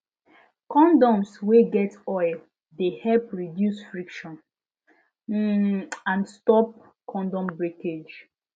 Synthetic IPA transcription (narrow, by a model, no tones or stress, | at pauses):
kɔ̃ndɔ̃msweɡɛtɔɪl | dehɛlpɹidjusfɹikʃɔ̃n | ãnstɔp̚ | kɔ̃ndɔ̃mbɹeked͡ʒ